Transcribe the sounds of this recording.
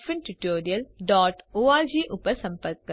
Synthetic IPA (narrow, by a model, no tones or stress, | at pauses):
pʰɪnʈuʈoːɾijəlɖɔːʈoːaːɾd͡ʒiːʔʊpːəɾsɐ̃mpəɾk̚ːɐ